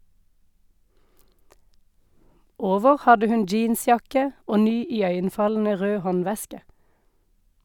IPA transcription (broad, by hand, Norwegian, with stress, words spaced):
ˈoːʋəʁ ˈhɑdə ˈhʉn ˈd͡ʒiːnˌsjɑkə ˈoː ˈnyː ɪˈœʏənˌfɑln̩ə ˈʁøː ˈhɔnˌʋɛskə